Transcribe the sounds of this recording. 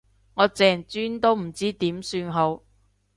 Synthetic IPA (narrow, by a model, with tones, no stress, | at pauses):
ŋɔː˨˧t͡sɛː˨˩ŋt͡syː˥nt̪o˥wm̩˨˩t͡siː˥t̪iː˨˥msyː˧nɦo˨˧˥w